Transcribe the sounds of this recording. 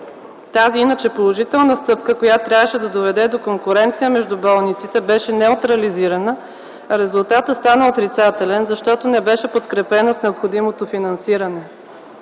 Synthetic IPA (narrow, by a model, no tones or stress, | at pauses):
t̪aziinət͡ʃɛpolˠoʒit̪ɛlˠnəst̪ɤp̚kəkojat̪ːɾʲavəʃɛd̪ɐd̪ovɛd̪ɛd̪okoŋkʊɾɛnt̪sijəmɛʒd̪ubɔlˠnit̪sit̪ɛbɛʃɛnɛʊt̪ɾɐliziɾɐnə | ɾɛzʊlˠt̪at̪əst̪anəot̪ɾit̪sat̪ɛlɛnzɐʃt̪ɔt̪onɛbɛʃɛpot̪kɾɛpɛnəsnɛopxod̪imot̪ofinɐnsiɾənɛ